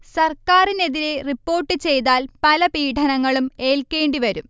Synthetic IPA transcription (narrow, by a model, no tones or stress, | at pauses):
sɐrkaːrine̞ðiɾe̞ripːo̞ːrʈːɨt͡ɕe̞jt̪aːlpɐlɐpiːʈʰɐnɐŋːɐɭume̞ːlke̞ːɳɖiʋɐɾum